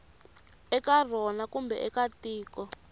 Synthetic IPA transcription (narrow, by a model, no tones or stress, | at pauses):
ɛkar̤ɔnakumbɛ̰ʔɛkatiːkɔ